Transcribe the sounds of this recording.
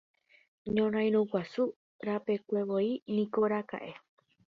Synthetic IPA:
ɲõɾ̃ãj̃ɾ̃ũkʷasu | ɾape̞kʷe̞βoinĩkoɾaka̰ʔe̞

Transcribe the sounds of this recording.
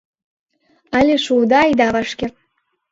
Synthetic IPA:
ɑlʲeʃud̪ɑjd̪ɑβɑʃkʲe

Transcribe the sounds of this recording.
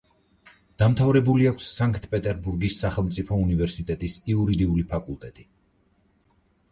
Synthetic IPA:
d̪̥amt̪ʰavɾɛbuliakʰsːaŋkʰʼt̪ʰpʼɛt̪ʼɛɾbuɾɡisːaχɛlˠmt̪sʼipʰɔunivɛɾsit̪ʼɛt̪ʼisiuɾid̪iulipʰakʼulˠt̪ʼɛt̪ʼi

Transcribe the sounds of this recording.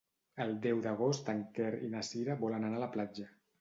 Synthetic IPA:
əlˠd̪ɛwd̪əɣ̞ost̪aŋkɛɾḭnasiɾaβɔlənanaləplad͡ʒə

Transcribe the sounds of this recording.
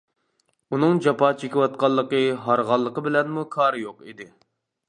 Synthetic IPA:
unɨŋd͡ʒɑpɑːt͡ʃʰekʲɪwɑt̪̚qɑlˠːəqəɦɑɾʁɑlˠːəqəbɪlɛnmukʰɑɾɨjoqḭd̪ɪ

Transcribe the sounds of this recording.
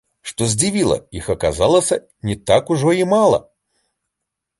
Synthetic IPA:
ʂt̪ɔzʲd͡zʲivʲilˠɐ̰ixɐkazalˠəsʲɐ | nʲɛt̪akuʐɔimalˠɐ̰

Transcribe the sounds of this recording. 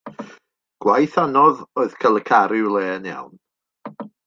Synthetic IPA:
ɡ̥wajθanɔðoːɨð̥kʰəlˠəkʰaɾɪwlɛːnja̰wn

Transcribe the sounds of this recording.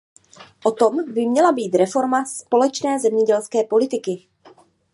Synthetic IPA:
ʔot̪o̞mbɪmɲɛlabiːt̪ɾɛfo̞ɾmaspo̞lɛt͡ʃnɛːzɛmɲɛɟɛlskɛːpo̞lɪt̪ɪkɪ

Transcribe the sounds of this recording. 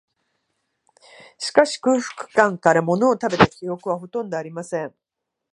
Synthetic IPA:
ɕi̥kaɕi̥kɯ̟ːɸɯ̟̥kɯ̟̥kãŋkaɾamo̞no̞ːt̪abe̞t̪akʲio̞kɯ̟β̞aɦo̞t̪õ̞nd̪o̞aɾʲimasẽ̞ɴ

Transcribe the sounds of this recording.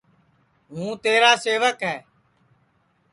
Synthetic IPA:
ɦũːt̪eːɾaːseːʋəkɦɛː

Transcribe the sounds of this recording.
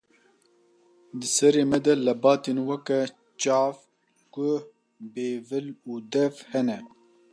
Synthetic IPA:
d̪ɨsɛɾeːmɛd̪ɛlɐbɑːt̪enwɐkɛ | t͡ʃɑːv | kʊ | beːvɨluːd̪ɛvhɛnɛ

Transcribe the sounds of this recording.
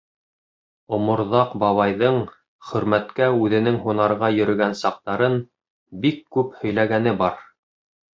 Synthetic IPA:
ŏmŏɾðɑqbɑβɑjðɤɴ | χɵ̆ɾmæt̪kæʉðɘ̆nɘŋɦunɑɾʁɑjɵ̆ɾɵ̆ɡænsɑq̚t̪ɑɾɤn | bikːʉphɵ̆jlæɡæn̪ɘbɑɾ

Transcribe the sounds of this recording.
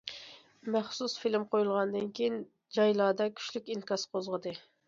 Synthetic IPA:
mɛχsusfilɪmqʰojulˠʁɑnd̪ɨnkʲʰejin | d͡ʒɑjlˠɑːd̪ɑkʲʰy̥ʃlykʲinkɑsqozʁəd̪ɨ

